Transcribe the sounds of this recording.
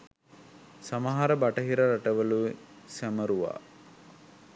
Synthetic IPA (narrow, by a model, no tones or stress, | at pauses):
samɐɦaɾəbaʈəɦiɾəɾaʈəʋəlusæməɾuʋa̰ː